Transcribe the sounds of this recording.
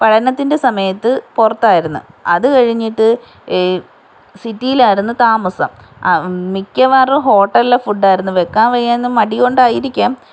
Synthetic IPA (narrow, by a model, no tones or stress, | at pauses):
pɐɻɐnɐt̪ːinde̞sɐmɐjɐt̪ːɨporɐt̪ːaːjiɾunːṵɐðɨkɐɻiɲːiʈːɨ | sitːijilaːjiɾunːut̪aːmɐsɐ̰m | mikʲːɐʋaːrɨɦo̞ːʈːɐllefuɖaːjiɾunːuʋe̞kːaːʋɐjeːnːmɐɽijo̞ɳɖaːjiɾikʲːaːm